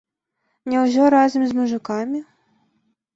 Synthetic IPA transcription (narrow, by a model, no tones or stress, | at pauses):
nʲɛwzʲɔɾazʲɐmʲzmuʐɨkamʲi